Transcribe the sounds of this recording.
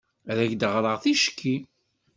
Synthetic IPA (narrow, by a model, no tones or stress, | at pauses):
æðæçd̪əʁɾˤəʁθiʃkːi